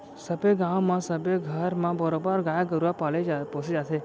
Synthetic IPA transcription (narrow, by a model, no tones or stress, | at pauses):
səbeɡãʋmãsəbeɡʱəɾmãbəɾobaɾɡajaɡəɾuʋapalepɔ̃sed͡ʒat̪ʰe